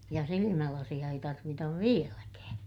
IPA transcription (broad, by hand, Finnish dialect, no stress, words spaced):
jɑ silimælɑsij̆ɑ ei tɑrʋitɑʋ ʋielækæː